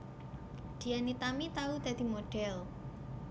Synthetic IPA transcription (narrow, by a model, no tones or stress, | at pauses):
d̪̥i̤anit̪amit̪aud̪̥a̤d̪̥i̤moɖ̥ɛl